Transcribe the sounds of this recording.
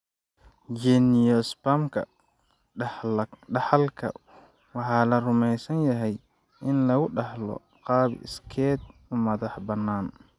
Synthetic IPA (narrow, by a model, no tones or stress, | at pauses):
d͡ʒɛnɪjɔspamkʰɐ | ɑħɑlkʰɐ̰ | wɑħɑːlɐrʊmɛjsɐnjɐɦɛj | ɪnlɐɣʊɖɑħlɔ̰ | qɑːbɪ̰skʰɛːd̪ʊmɐðɑħbɐnːaːn